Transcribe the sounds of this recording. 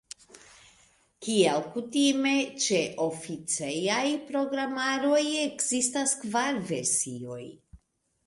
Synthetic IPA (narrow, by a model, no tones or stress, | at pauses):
kialkutime̞t͡ʃe̞ʔo̞fit͡sejajpɾo̞ɡɾamaɾo̞je̞kzistaskvaɾve̞ɾsio̞j